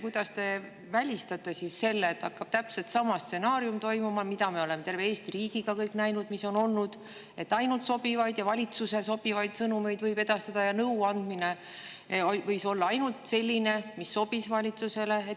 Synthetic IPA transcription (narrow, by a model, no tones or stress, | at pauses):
kujd̪̥ɑst̪e̞ | vælʲist̪ɑt̪ːˑe̞sisse̞lːeːt̪ːɑkːɑb̥̚t̪æpse̞lt̪sɑmɑst̪se̞nɑːɾjumt̪o̞jmumɑmid̪ɑmeo̞le̞met̪e̞rve̞eːst̪iɾiːɡ̥iɡ̥ɑkɤjkˑnæjnud̪miso̞no̞lnud̪̥ | e̞t̪ːˑɑjnult̪so̞b̥ivɑjd̪̥jɑvɑlʲit̪suse̞so̞b̥ivɑjd̪̥sɤnume̞jd̪vɤjbe̞d̪̥ɑst̪ɑd̪̥ɑjɑnɤwɑnd̪̥mine̞ | ovɤjso̞lːɑɑjnult̪se̞lʲːine̞misːo̞b̥isvɑlʲit̪suse̞le̞e